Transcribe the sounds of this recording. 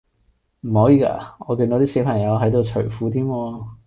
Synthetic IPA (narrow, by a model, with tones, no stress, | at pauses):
m̩˨˩hɔː˨˥jiː˨˧ka̰ː˧ɔː˨˧ki˧nt̪o˨˧˥t̪iː˥si˨˥wpʰɐ˨˩ŋjɐ˨˧wɦɐ˨˥jt̪o˧wt͡ʃʰɵ˨˩fuː˨˥t̪ʰiː˥mɔː˧